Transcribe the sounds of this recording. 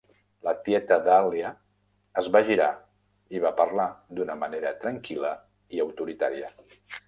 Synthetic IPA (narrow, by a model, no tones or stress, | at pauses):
lət̪jɛt̪əðaljəː | zβaʒiɾa | iβ̞apəɾlad̪unəməneɾət̪ɾəŋkilə | iəwt̪uɾit̪a̰ɾiə